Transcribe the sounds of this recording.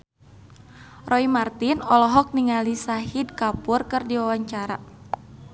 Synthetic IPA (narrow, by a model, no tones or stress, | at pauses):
rʔɔimart̪inɔlɔɦɔk̚niŋalisahid̚kapurkɨrdiwawaɲt͡ʃaɾa̰